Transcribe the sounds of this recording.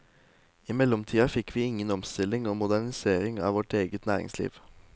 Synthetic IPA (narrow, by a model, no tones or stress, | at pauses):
ɪmɛlɔmt̪ʰiːɑfɪkʋiːɪŋənɔmst̪ɪlɪŋoːmʊd̪æɳɪseːɾɪŋɑ̰ːʋɔʈeːɡət̪næːɾɪ̰ŋslḭːʋ